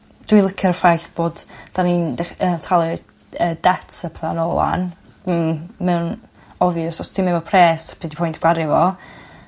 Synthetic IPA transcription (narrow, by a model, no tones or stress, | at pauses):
d̥wilˠəkʰɪɾəfajθb̥oːdd̥anindɛχəntʰalˠɨ | əd̥ɛtʰəpʰlanɔlˠa̰n̩ | mɛwn | ɔvjɔsɔstʰimɛvɔpʰrɛːspʰidipʰɔjntʰɡ̥waɾɪvɔ